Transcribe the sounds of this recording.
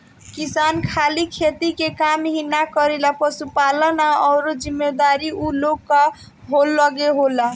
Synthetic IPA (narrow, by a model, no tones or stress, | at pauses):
kisankʰalikʰet̪ikekamɦinakʌɾilapʌsupalənaʌwɾod͡ʒimːed̪aɾiʔulokːa | ɦolːʌɡeɦola